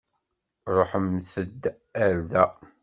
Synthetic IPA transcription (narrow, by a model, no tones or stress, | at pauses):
ɾˤoħəmθəd̪ː | æɾðæ